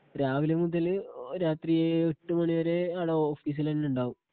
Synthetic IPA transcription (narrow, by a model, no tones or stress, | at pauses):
ɾaːʋilemud̪ɐlɾaːt̪rijeeʈːumɐɳiʋɐɾe̞ɐɽɐoːfiːs̬ilenːeuɳɖaːʋum